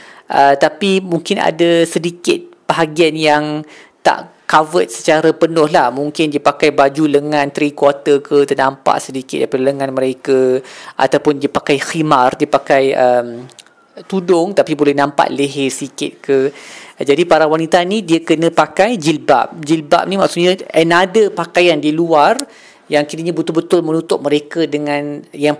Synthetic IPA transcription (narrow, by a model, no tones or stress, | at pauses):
ʔət̪apimuŋkɪna̰dasədikɪt̪̚bəɦaɡianjaŋ | t̪a̰ʔkavət̪̚sə̥t͡ʃaɾapənʊhlahmuŋkɪndiəpakajbad͡ʒuləŋãnt̪ɾikwat̪əkʰət̪ənampa̰ʔsədikɪ̰t̪̚dapadaləŋãnməɾekaʔa̰t̪awpʊndiəpakajximardiəpakajəm | t̪udʊŋt̪apibolɛhnãmpa̰ʔ̪leɦɛsikɪ̰t̪̚kəd͡ʒadipaɾawanit̪anidiəkənə̃pakajd͡ʒilba̰p̚d͡ʒilba̰p̚nimak̚sʊt̪̚ɲaənadəpakajandiluar | jaŋkiɾiɲabət̪ʊlbət̪ʊlmənut̪ʊt̪̚məɾekadəŋãnjaŋ